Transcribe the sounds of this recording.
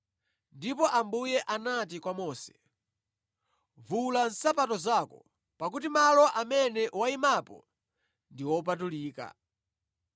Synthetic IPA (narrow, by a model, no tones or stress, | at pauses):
ndipɔʔambujɛʔanatikwamɔːsɛ̥ | vulan̩sapatɔzakɔ̰ | pak̬utimalɔʔamɛnɛwaimapɔ̰ | ndiwɔp̬atuliːka̰